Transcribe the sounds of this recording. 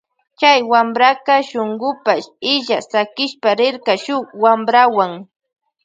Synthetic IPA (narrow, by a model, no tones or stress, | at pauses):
t͡ʃajwambɾakɑʃoŋɢʊpaʃɪʎasakɪʃpaɾɪɾkaʃʊwambɾawaŋ